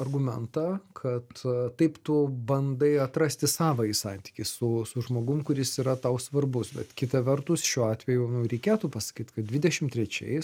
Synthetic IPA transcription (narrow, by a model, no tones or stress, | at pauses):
ɐrɡʊmʲɛ̰nt̪ɐkʰɐt̪t̪ɐɪpt̪ʊbɐnd̪ɐɪɐt̪ɾɐsʲt̪ʲɪsɑːʋɐisɑ̰nʲt̪ʲi̥kʲɪssʊsʊʒmoːɡʊmkʊɾʲɪsiːɾɐt̪ɐʊsʋɐrbʊsbʲɛ̰t̪kʲɪt̪ɐʋʲɛrt̪ʊsʃʲuːɑːt̪ʲʋʲɛjʊnʊɾʲɛɪkʲeːt̪upɐsɐ̥kʲiːt̪kɐt̪̚dʲʋʲɪdʲɛʃʲɪmt̪ʲɾʲɛt͡ʃʲɛ̰ɪs